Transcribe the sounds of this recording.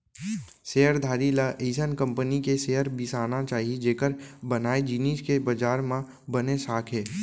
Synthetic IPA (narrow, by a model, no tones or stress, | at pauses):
seɦəɾd̪ʱaːɾilaʔeːsənkə̃mpənikeseːɦəɾbɪsaːnat͡ʃaːɦied͡ʒeːkəɾbɐnaːed͡ʒiniːskebɐd͡ʒaːɾmã | bənesaːkʰɦeː